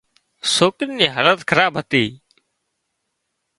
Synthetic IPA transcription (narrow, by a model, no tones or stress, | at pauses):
soːkɪnːnĩːɦələt̪kʰəɾaːbʱɦət̪iː